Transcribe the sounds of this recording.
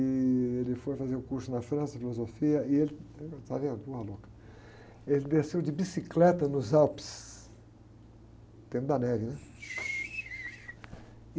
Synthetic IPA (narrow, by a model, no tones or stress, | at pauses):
ɪelɪfojfazeɾʊkuɾsʊnɐfɾɐ̃sɐfilozofiɐɪelɪt̪avẽɐbohɐlokɐ̥ | elɪd̪esewd͡ʒɪbisiklɛt̪ɐnʊzawpɪ̥s | t̪ẽmʊd̪ɐnɛvɪnɛ